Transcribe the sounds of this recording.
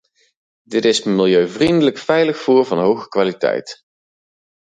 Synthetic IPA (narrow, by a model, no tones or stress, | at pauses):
dɪtɪsmɪlˠjøɥvrindələkfɛjləxfʊːɹvɑnɦowɣəkʋaːlitɛ̰jt